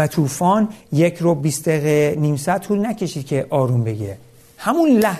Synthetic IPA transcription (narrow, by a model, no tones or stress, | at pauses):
æt̪ʰuːfɒːnjecʰɾobiːsd̪eɣeniːmsæd̪̚t̪ʰuːlnæcʰe̞ʃiːd̪̚cʰe̞ʔɒːɾumbe̞ɡe | hæmunlæh